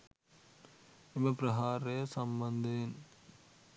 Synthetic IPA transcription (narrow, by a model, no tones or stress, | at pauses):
imɐpɾɐɦaːɾeːɐsɐmbɐnd̪eːn